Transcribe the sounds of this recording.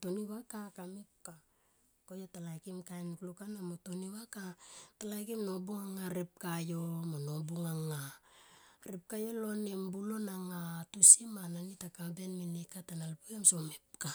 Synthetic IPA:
toniwakakamip̚ka | kojotalajkimkajnklukanamoto̞niwakatalajkimno̞buŋaŋaɾep̚kajo̞monobuŋaŋa | ɾep̚kajo̞lo̞nembulo̞naŋatusimananitakabe̞nminekːatanalpuemso̞mip̚ka

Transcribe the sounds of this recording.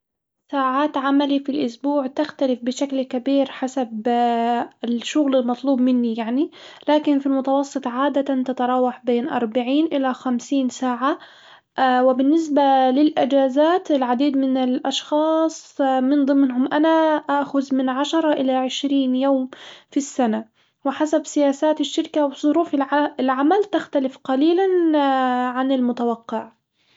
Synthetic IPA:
saːʕaːt̪ʕamalifilʔʊsbuːʕt̪axt̪alɪfbɪʃaklkabiːɾħasab | ɪʃːʊɣlɪlmɑt̪ˤluːbmɪnːijaʕnilaːkɪnfilmʊt̪ɑwɑsˤːɨt̪ˤʕaːd̪at̪ant̪at̪ɑɾˤɑːwaħbeːnʔɑ̰ɾˤbaʕiːnʔɪlaxamsiːnsaːʕa | wɪbɪnːɪs̬balɪlʔɪd͡ʒaːzaːt̪ɪlʕad̪iːd̪mɪnɪlʔɑʃxɑːsˤmɪnd̪ˤɨmːɦʊmʔanaʔaʔxʊzmɪnʕaʃɑɾˤɑʔɪlaʕɪʃɾiːnjoːmfisːana | wɪħasabsɪjaːsaːt̪ɪʃːɪɾkawɪzˤʊɾuːfɪɪlʕamalt̪axt̪alɪfqɑliːlan | ʕanɪlmʊt̪awɑqːɪʕ

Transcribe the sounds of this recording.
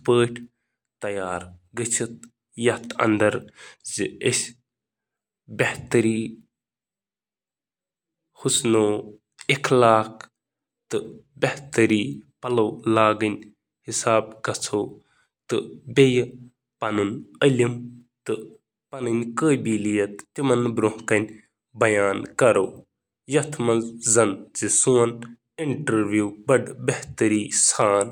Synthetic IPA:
spəːʈʰ | t̪ɐjaːɾɡət͡ʃʰit̪̚ | jɐt̪ɐ̰nd̪ɐɾzɨəsʲ | bʲeht̪ɐɾiː | husnoː | ekʰlaːkʰ | t̪ɨbʲɐht̪əɾiːpɐlɐwlaːɡɨnʲ | hisaːb̚kɐt͡sʰoː | t̪ɨbʲej | pɐnunɐlʲim | t̪ɨ | pɐnɨnʲkəːbiːlijɐt̪t̪imɐnbɾoɦkɐnʲ | bɐjaːnkɐɾoː | jɐt̪ʰmɐzɐnt͡sisuːɐn | iɳʈɐɾʋjuːbɐɖbɐht̪əɾiːsaːn

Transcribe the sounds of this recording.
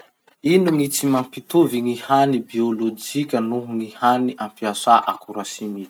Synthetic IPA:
inuŋit͡simampit̪uviŋihanibiolod͡ʒikʲənuɦuŋihaniʔampiasaʔa̰kuɾasinit̪i̥

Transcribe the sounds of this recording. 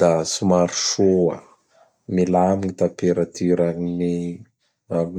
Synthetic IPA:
d̪̥asumaɾuʃoa̰ | milamiɲit̪apeɾat̪ʰyɾanni | ami

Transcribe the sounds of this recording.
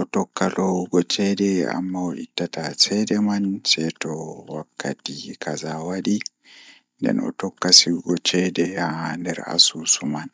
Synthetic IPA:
ʔɔtɔkːalɔɡɔt͡ʃɛdɛa̰mːaɔʔitːatasɛdɛmansɛtɔwakːa̰tikʰazawaɗi | ndɛ̰nɔ̰tɔkːasiɡɔt͡ʃɛdɛandɛɾa̰suːsuman

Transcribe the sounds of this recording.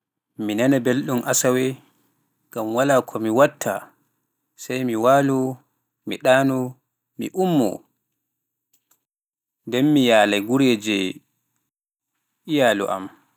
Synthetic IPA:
minanɛbelɗumʔasawɛ | ɡamwalaːkʰɔmiwatʰːa̰ | sajmiwalɔ | miɗaːnɔ | mḭʔumːɔ̰ | ndɛmːijaːlaɡuɾeːd͡ʒɛ | ijaːlɔ̰ʔa̰m

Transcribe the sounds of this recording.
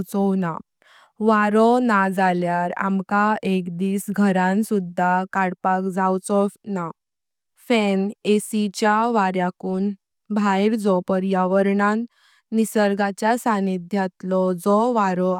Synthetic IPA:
t͡sɔwna̰ | ʋaɾɔnad͡zaljaɾa̰mkaekd̪iːsɡʱəɾãnsud̪ʱːakaɽpakd͡zawt͡sɔna | fɛnesit͡ɕjaʋaɾjakuːn | bʱajɾd͡zɔpəɾjaʋəɾɳanː | isəɾɡat͡ɕjasanit̪̚d̪ʱjat̪lɔd͡zɔʋaɾɔ

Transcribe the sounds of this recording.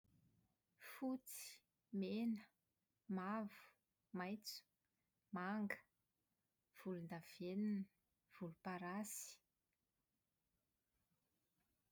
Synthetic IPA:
fut͡si̥ | menə | mavu̥ | majt͡su̥ | maŋɡə̥ | v̥ulund̪av̥eninə | v̥ulupaɾasi̥

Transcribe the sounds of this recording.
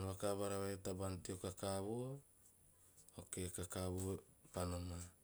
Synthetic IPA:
noβakabaɾaβajotabantiokakaβuo | okekakaβuopanoma

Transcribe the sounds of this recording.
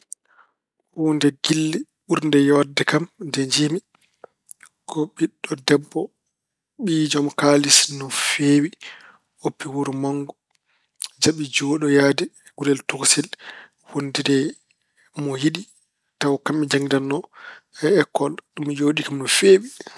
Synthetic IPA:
ɔwundɛɡilːi | ɓuɾndɛjɔdɛkamdɛɲd͡ʒimi | kʰɔɓiɗːɔdɛbːɔ | ɓid͡ʒɔmkalisnɔfeːwi | opːiwuɾmaŋɡu | d͡ʒaɓid͡ʒoɗɔjaːdɛ | ɡuɾɛltuksɛl | wondidɛ | mɔjiɗi | tawkamːid͡ʒaŋɡidanːɔɛɛkːɔlɗumd͡ʒoːɗikamnɔfeːwi

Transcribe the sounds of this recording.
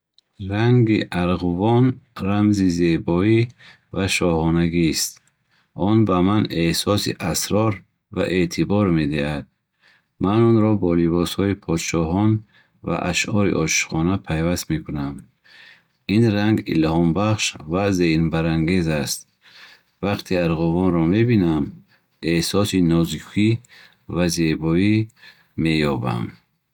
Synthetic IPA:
ɾaŋɡiʔaɾʁuvɔnramzize̞bɔi | vaʃɔhɔnaɡist̪̚ | ʔɔnbamanehsɔsḭʔasɾɔɾ | vaʔe̞t̪ʰibɔɾme̞d̪ihad̪̥̚ | manɔnɾɔbɔlibɔshɔipʰɔd̪ʃɔɦɔn | va̰ʔaʃʔɔɾḭʔɔʃi̥χɔnapʰajvast̪mekʰunam | inɾaŋɡḭlhɔmbaχʃvazenbaɾaŋɡe̞zast̪ | vaqt̪ʰiaɾʁɔvɔnɾɔmebinam | ehsɔsinɔzikʰi | vazebɔi | mejɔba̰m

